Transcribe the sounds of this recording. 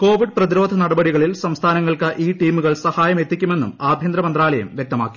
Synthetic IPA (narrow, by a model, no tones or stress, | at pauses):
ko̞ːʋiɖprɐðiɾo̞ːd̪ʱɐnɐɽɐbɐɽiɣɐɭilsɐmst̪ʰaːnɐŋːɐɭkɨʔiːʈiːmuɣɐɭsɐhaːjɐme̞t̪ːikʲːume̞nːṵmaːbʱjɐnd̪ɾɐmɐnd̪raːlɐjɐ̰mʋjek̚t̪ɐmaːkːi̥